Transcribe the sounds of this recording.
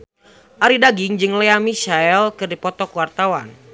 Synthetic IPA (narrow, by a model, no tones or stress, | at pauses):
ʔaɾidaɡɪŋd͡ʒɨŋlɛamiʃaɛlkɨrdipɔt̪ɔkuwart̪awan